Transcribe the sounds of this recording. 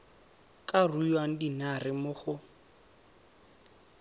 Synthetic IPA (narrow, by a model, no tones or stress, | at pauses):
kʼarujwaŋ̩dinarɪmʊχʊ